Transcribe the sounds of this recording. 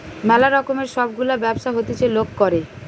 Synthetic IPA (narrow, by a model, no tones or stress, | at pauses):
mɛlaɾɔkomeɾʃɔbɡulabɛbʃaɦot̪it͡ɕʰelokkoɾe